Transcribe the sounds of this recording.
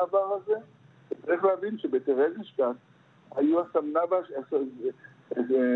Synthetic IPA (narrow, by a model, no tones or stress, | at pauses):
vaʁaze̞ | vet͡saʁiχleavinʃebet̪eʁeziʃtat | hajuasamnavaʃs